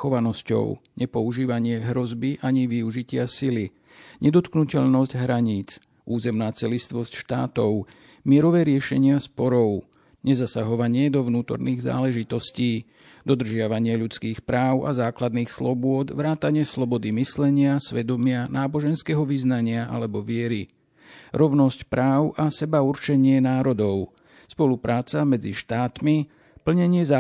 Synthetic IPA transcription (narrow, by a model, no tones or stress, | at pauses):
xɔʋanɔscɔ̰ʊɲɛpɔuʒiːʋaɲɪɛɦɾɔzbiʔaɲiʋiuʒicɪasili | ɲɛd̪ɔt̪knucɛʎnɔsɟɦɾaɲiːt͡s | uːzɛmnaːt͡sɛlist̪ʋɔscʃt̪a̰ːt̪ɔʊ | mɪɛɾɔʋɛːɾɪɛʃɛɲɪaspɔɾɔʊ | ɲɛzasaɦɔʋaɲɪɛd̪ɔʋnuːt̪ɔ̰ɾniːɣza̰ːlɛʒit̪ɔsciː | d̪ɔd̪r̩ʒɪaʋaɲɪɛʎut͡skiːxpɾaːʊʔa̰zaːklad̪niːxslɔbʊɔd̪ʋɾaːt̪aɲɪɛslɔbɔd̪imislɛɲɪasʋɛd̪ɔmɪanaːbɔʒɛnskɛːɦɔʋiznaɲɪaʔa̰lɛbɔʋɪɛɾi | ɾɔʊnɔscpɾaːʊʔasɛbauɾt͡ʃɛɲɪɛnaːɾɔd̪ɔʊ | spɔlupɾaːt͡samɛd͡ziʃt̪aːt̪mi | pl̩ɲɛɲɪɛza